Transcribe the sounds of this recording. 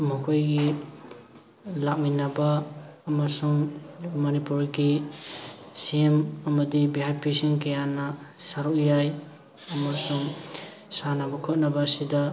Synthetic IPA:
mukʰojɡi | lak̚minɐbaːmasuŋmɔnipuɾɡi | siemɐmɐdibiɦajpisinkɐjanɐsaɾukjaj | ɐmasuŋ | sanabɐkʰɔt̚nɐbɐːsidɐ

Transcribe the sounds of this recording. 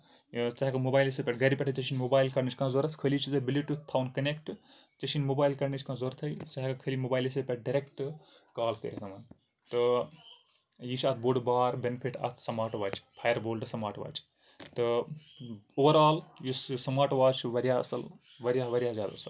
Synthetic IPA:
t͡ʃaɦikɐmobaːjlesɐpʲɐʈ̚ɡɐɾipʲɐʈʰɐt͡ʃɐt͡ʃʰinʲmoːbaːjlkɐɾnit͡ʃʰʲkãzoːɾɐt̪ʰkʰəlit͡ʃʰizɐbiliʈut̪ʰaːwnkɐnekʈt͡ʃɐt͡ʃʰinmobaːjlkɐɾnit͡ʃʰʲkãzoːɾt̪ʰɐjt͡ʃaɦkɐkʰəlimoːbaːjlesepʲɐʈ̚ɖɐɾʲekʈ | kaːlkə̰ɾʲit̪ʰɐmɐn | t̪ɨ | jit͡ʃʰɐt̪̚ʰboːɖbaːɾbenpʰiʈɐ̰t̪ʰsɐmaːʈʋaːt͡ʃʰpʰaːjɐɾboːlʈɨsɐmaːʈʋa̰ːt͡ʃʰ | t̪ɨ | oːʋɐɾaːljissɐmaːʈʋaːt͡ʃʰʋɐɾijaɐ̰sɐl | ʋɐɾʲjaːʋɐɾjaːzʲjaːd̪a̰sɐl

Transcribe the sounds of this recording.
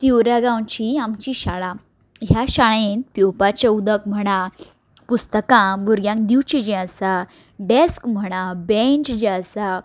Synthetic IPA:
t̪iwɾjaɡãwt͡ɕiamt͡ɕiɕaɭã | ɦjaɕaɭenpjowpat͡ɕaud̪ək̚m̤əɽ̃a | pust̪əkãbʱuɾɡjãŋkd̪iwt͡ɕid͡ʑẽasa | ɖeskm̤əɽ̃abẽɲt͡ɕd͡ʑasa

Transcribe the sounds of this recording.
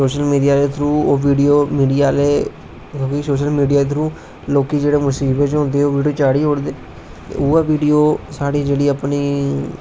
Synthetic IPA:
soːʃəlmiːɖijaːd̪eːt̪ʰɾuːoːʋiːɖijoːmiːɖiːaːleː | kjõːkisoːʃəlmiːɖijaːet̪ʰɾũː | loːkiːd͡ʒeːɽeːmʊsiːbət͡ʃɦõːnd̪eːoːʋiːɖijoːt͡ʃaːɽiːɦoːɽd̪eː | t̪ḛuːaːʋiːɖijoːsaːɽiːd͡ʒeːɽiːəpniː

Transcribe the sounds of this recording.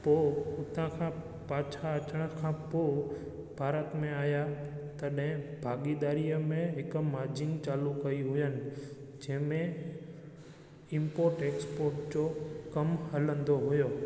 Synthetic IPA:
poʊt̪ʰãkʰã | paːt͡ʃʰaət͡ʃəɽ̃əkʰãpo | bʱaːɾət̪mẽaːjat̪əɗɦɪ̃bʱaːɡid̪aːɾijəmẽɦɪkmaːɾd͡ʒɪ̃ŋɡt͡ɕaːlukɐiɦʊjənɪ̆ | d͡ʑɛ̃ːmẽ | ɪ̃mpoːɾʈeːkspoːɾʈd͡ʑokɐmɦələ̃nd̪oɦʊjoː

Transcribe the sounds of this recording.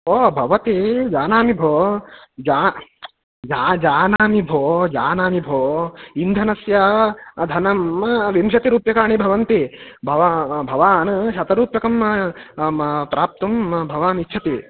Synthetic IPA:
oːbʱɐʋɐt̪id͡ʒaːnaːmibʱoːd͡ʒaː | d͡ʒaːd͡ʒaːnaːmibʱoːd͡ʒaːnaːmibʱoːind̪ʱɐnɐsjɐd̪ʱɐnɐmʋimʃɐt̪iɾuːpjɐkaːɳibʱɐʋɐnt̪ibʱɐʋabʱɐʋaːnʃɐt̪ɐɾuːpjɐkɐm | pɾaːp̚t̪ɐmbʱɐʋaːnit͡ʃʰɐt̪i

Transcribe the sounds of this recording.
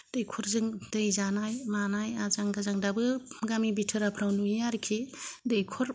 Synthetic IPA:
d̥ɯjkʰɔɾzɯŋd̥ɯjzanajmanajazaŋɡazaŋdabɯɡamibitʰɯɾapʰɾawnujaɾkʰedejkʰɔɾ

